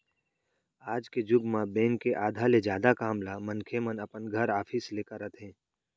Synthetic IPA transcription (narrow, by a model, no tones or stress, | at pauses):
aːd͡ʒked͡ʒʊɡmãbɛ̃ːŋkːeʔaːd̪ʱaled͡ʒjaːd̪akaːmlamənkʰemənəpənɡʱəɾaːfʰiːsleːkəɾət̪ɦɛ̃ː